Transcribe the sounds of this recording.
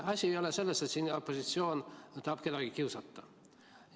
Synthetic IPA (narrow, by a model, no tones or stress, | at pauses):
ɑsʲiejo̞lese̞lːɑst̪et̪siːnopːosit̪sio̞ːnt̪ɑːpke̞d̪ɑɡ̥ikiuwsɑt̪ːɑ